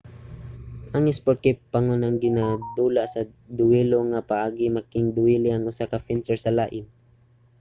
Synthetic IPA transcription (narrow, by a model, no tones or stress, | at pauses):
ʔɐŋɛspoɾt̪̚kɪpːaŋonɐŋɡɪnad̪uːlaʔsɐ | d̪ʊwiloŋapaʔaːɡɪmakɪŋd̪ʊilɪʔaŋʊsakafɛnsɛɹsɐlaːʔɪn